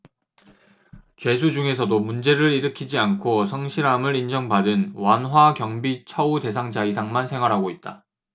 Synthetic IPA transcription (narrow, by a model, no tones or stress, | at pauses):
t͡ɕwe̞s̬ʰud͡ʑuŋe̞sʰʌdomund͡ʑe̞ɾɯɾiɾɯkʰid͡ʑiankʰosʰʌŋɕʰiɾamɯɾind͡ʑʌŋbadɯnwanɦwakjʌŋbit͡ɕʰʌude̞s̬ʰaŋd͡ʑaisʰaŋmansʰe̞ŋɦwaɾɦaɡoit̚t͈a